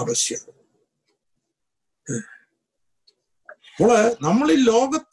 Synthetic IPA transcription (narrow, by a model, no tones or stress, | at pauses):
ʋɐɕjɐ | poɭenɐmːɐɭilːo̞ːɡɐt̪ː